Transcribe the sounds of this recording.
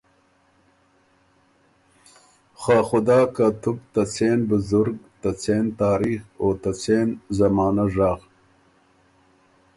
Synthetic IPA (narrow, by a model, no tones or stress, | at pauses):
xaːxʊd̪aːkat̪ubt̪ɐt͡seːnbuzuɾɡt̪ɐt͡seːnt̪aːɾixoːt̪ɐt͡seːnzɐmɑːnaʐaːɣ